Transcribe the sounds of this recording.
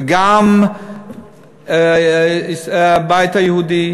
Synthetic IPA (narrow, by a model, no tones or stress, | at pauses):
ɡaːm | bajt̪ɐjɐɦuːd̪i